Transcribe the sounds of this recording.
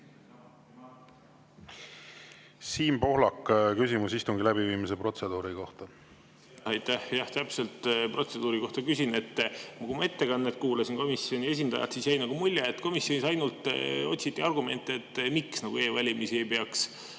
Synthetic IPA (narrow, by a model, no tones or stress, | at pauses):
siːmpo̞hlɑkːkysimusist̪uŋɡilæbiviːmisepro̞t̪se̞d̪̥uːɾiko̞ht̪ɑ | ɑjt̪ːæhjɑht̪æpse̞lt̪pro̞t̪se̞d̪uːɾiko̞ht̪ɑkysine̞t̪ːmɑkumɑe̞t̪ːe̞kɑnːet̪̚kuːlɑsinko̞misːio̞nie̞s̬ʲind̪ɑ̰jɑ̰t̪sisjæjnɑɡ̥umulʲːeet̪ko̞misjo̞nisɑjnult̪ˑo̞t̪ʲsit̪ːiɑrɡume̞nt̪ːˑeet̪ːmiksnɑɡ̥ue̞ːvɑlʲimisie̞jpe̞ɑks